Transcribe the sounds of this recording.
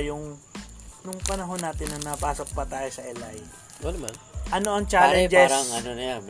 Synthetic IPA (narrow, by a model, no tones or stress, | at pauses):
jʊŋ | nʊŋpɐnɐɦo̞nːaːt̪ɪnːɐŋnɐpaːsok̚pɐt̪aːjosɐʔɛlaj | onɐmanʔɐnoʔɐŋt͡ʃaːlɛd͡ʒɛɾɐŋɐnonɐjan